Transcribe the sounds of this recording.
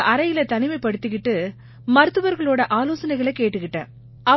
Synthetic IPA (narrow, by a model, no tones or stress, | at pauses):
ʔɐɾɐjɪlɐt̪ɐnɪmɐɪpːɐɽɯt̪ːɯkɪʈːɯ | mɐɾɯt̪ːɯʋɐɾɣɐɭoːɽɐʔaːloːsɐnɐɪɣɐɭɛkeːʈːɯkɪʈːã̰ː | ɐ